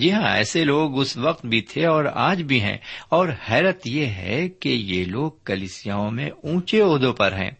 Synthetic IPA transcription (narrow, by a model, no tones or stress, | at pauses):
d͡ʒɪɦãɛ̰ːseloːɡʊsʋɐq̚t̪bʱit̪ʰeɔːɾa̰ːd͡ʒbʱiɦɛ̰̃ːɔːɾhɛːɾət̪jeɦɛ̰kejeloːɡ̚kɐliːsijaːõmḛ̃ũːt͡ʃeoːd̪õpɐɾɦɛ̰̃ː